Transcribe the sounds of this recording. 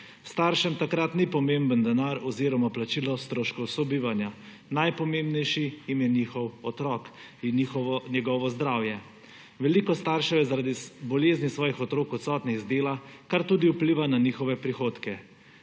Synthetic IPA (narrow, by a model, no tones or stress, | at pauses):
st̪aɾʃɛmt̪akɾat̪nipɔmembənd̪ɛnaɾɔziːɾɔmaplat͡ʃiːlɔst̪ɾoːʃkɔwsɔbiːʋanja | najpɔmembnɛjʃijimjɛniːxɔwɔt̪ɾɔk | inixɔnjɛɡɔʋɔzd̪ɾaːwjɛ | ʋɛlikɔst̪aɾʃɛjɛzaɾad̪ibɔleːznisʋɔːjixɔt̪ɾoːkɔt̪sɔːt̪niɣzd̪eːlakaɾt̪uːd̪iupliːʋananiːxɔʋɛpɾixoːt̪kɛ